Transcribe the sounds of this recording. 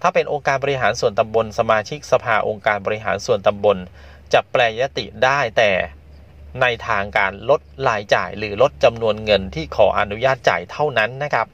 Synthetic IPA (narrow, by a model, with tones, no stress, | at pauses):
t̪ʰaː˥˩pe˧nʔoː˧ŋkaː˧nbɔː˧ɾi˦˥ɦaː˩˦nsu˨˩ənt̪a˧mbo˧nsa˧maː˧t͡ɕʰi˦˥k̚sa˧pʰaː˧ʔo˧ŋkaː˧nbɔː˧ɾi˦˥ɦa̰ː˩˦nsu˨˩ənt̪a˧mbo˧n | t͡ɕa˨˩plɛː˧ja˦˥t̪ḭ˨˩daː˥˩jt̪ɛː˨˩ | na˧jt̪ʰaː˧ŋkaː˧nlo˦˥t̪̚laː˧jt͡ɕa̰ː˨˩jɾɯː˩˦lo˦˥t̪̚t͡ɕa˧mnu˧ənŋɤ˧nt̪ʰiː˥˩kʰɔː˩˦ʔa̰˧nu˦˥jaː˥˩t̪̚t͡ɕa̰ː˨˩jt̪ʰa˥˩wna˦˥nːa˦˥kʰɾa˦˥p̚